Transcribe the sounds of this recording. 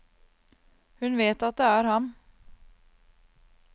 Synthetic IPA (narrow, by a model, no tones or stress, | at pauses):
hʉnʋeːt̪at̪̚d̪ɛæɾhɑn